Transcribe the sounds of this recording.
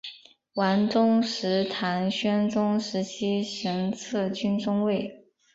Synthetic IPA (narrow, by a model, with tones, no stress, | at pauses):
wa˧˥nʈ͡ʂʊ˥ŋʂɻ̩˧˥t̪ʰa˧˥nɕɥɛ˥nʈ͡ʂʊ˥ŋʂɻ̩˧˥t͡ɕʰi˥ʂə˧˥ŋt͡sʰɤ˥˩t͡ɕy˥nʈ͡ʂʊ˥ŋwe˥˩ɪ